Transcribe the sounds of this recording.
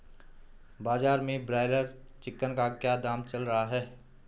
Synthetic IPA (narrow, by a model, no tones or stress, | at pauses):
baːzaːɾmẽbɾaːɪləɾ | t͡ʃɪkːənkakjaːd̪aːmt͡ʃɐlɾɐɦaɦɛː